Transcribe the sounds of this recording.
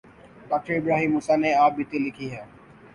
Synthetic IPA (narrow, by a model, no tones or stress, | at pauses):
ɖɔːk̚ʈeɪbɾaːɦiːmːuːsaneaːp̚bɪt̪ilɪkʰiɦɛ̃ː